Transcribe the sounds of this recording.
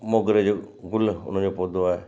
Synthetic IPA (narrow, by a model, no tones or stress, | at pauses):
moɡɾed͡ʒoɡʊlʊ̰n̤d͡ʒopoːd̪oae